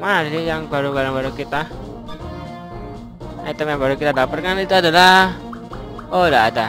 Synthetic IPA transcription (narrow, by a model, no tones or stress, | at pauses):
manasijaŋbaɾubaɾaŋbaɾukit̪a | at̪əmjaŋbaɾukit̪adapərkanit̪uadala | odaada